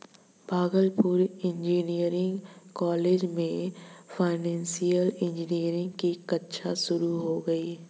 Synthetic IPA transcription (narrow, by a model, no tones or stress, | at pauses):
bʱaːɡəlpuɾɪ̃ɲd͡ʒiːniəɾɪ̃ŋɡkɔːleːd͡ʒmẽfʰaːɪnɛ̃ːnsijəlɪ̃ɲd͡ʒniəɾɪ̃ŋɡkikɐtːʃʰaʃʊɾuɦoɡɐiː